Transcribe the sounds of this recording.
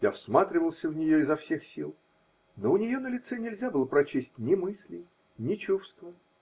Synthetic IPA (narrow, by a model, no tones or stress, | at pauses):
jafsmat̪ɾʲɪvəlˠsʲəvnʲɪjo̞ɪzɐfsʲexsʲilˠ | noʊnʲɪjo̞nəlʲɪt̪sɛnʲɪlʲzʲabɨlˠəpɾɐt͡ɕesʲtʲnʲɪmɨsʲlʲɪ | nʲɪt͡ɕufst̪və